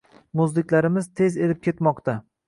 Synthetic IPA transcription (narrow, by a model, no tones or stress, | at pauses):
mʊzlɪkʲlaɾɪmɪz̥t̪ʰe̞ze̞lɪp̚kʲe̞t̪mɒqt̪a